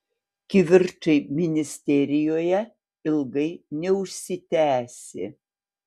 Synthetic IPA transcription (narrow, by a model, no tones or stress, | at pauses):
kʲɪʋʲɪɾt͡ʃɐɪmʲɪnʲɪsʲt̪ʲɛɾʲɪjoːjɛ | ɪlˠɡɐɪnʲɛʊʃʲsʲɪt̪ʲæːsʲɪ̰